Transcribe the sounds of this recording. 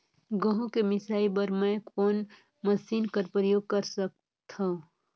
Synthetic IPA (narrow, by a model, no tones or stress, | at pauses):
ɡõɦõkemɪsaːibəɾmɛ̃koːn | məsiːnkəɾpɾəjoːɡ̚kəɾsək̚ | t̪ʰã